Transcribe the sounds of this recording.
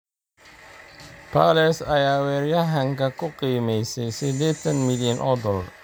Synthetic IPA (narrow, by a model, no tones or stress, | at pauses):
pʰɐlɛsɐjaːwɛːɾjɐɦɐŋkʰɐkʰʊqiːmɛjsɛjsɪd̪ɛːt̪ʰɐnmɪljɐnʔɔd̪ɔl